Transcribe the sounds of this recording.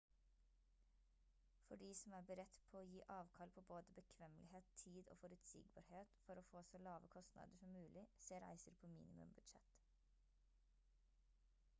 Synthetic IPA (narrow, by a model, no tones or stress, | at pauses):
fɔɖiːsɔmæːbəɾɛt̪pʰoːoːjiːʔɑːʋkʰɑlpʰoːboːd̪əbəkʰʋɛmlɪheːt̪t̪ʰiːd̪o̰ːfɔɾʉt̪sḭːɡ̚bɑːɾheːt̪fɔɾoːfoːsɔlɑːʋəkʰɔst̪nɑ̰ːd̪əʃɔmmʉːlɪseːɾæ̰ɪsəɾpʰoːmḭːnɪmʉ̰mbʉd̪ʃɛt̪